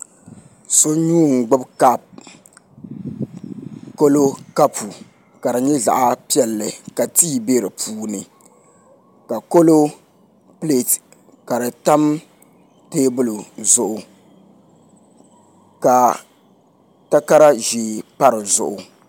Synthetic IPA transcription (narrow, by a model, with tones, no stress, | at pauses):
so˦ɲuː˦ŋ̩˨ɡ͡bʊ˦bka˦p̚ | ko˦lo˦ka˦pʰu˨ | ka˨ɾɨ˨ɲɛ˦ɮa̰˨ʔa˦pi˦ɛ˨lːɨ˨ka˨tiː˦be˦ɾɨ˨pʰuː˦nɨ˨ | ka˨ko˦lo˦ | ple˦t | ka˨ɾɨ˨ta˦m | teː˦bʊ˦˨lʊ˨zʊ˨ʔʊ˨ | ka˨ | ta˦ka˦ɾa˦ʒiː˨pa˦ɾɨ˨zʊ̰˨ʔʊ˨